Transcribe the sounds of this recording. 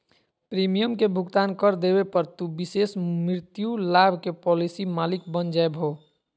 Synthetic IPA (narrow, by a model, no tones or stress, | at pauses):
pɾimijəmkebʱuɡt̪ankəɾd̪ebepəɾt̪ubisesmɾiɾt̪julabʱkepɔlisimalik̚bənd͡ʒaebʱo